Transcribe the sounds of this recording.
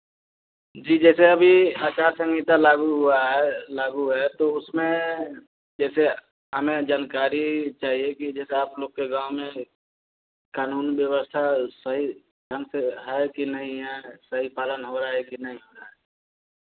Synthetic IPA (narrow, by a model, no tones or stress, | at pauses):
d͡ʒiːd͡ʒɛːseɐbʱiaːt͡ʃaːɾsə̃ŋɡiːt̪alaːɡuɦʊaɦɛlaːɡuɦɛt̪oʊsmẽ | d͡ʒɛːse | ɦəmẽd͡ʒaːnkaːɾit͡ʃaːɦiekid͡ʒɛːseaːploːɡ̚keɡãːʊmẽ | kaːnuːnbjəwəst̪ʰasəɦi | d̪ʱənseɦɛkinəɦĩɦɛsəɦipaːlənɦoɾaɦɛkinəɦĩɦoːɾaɦɛː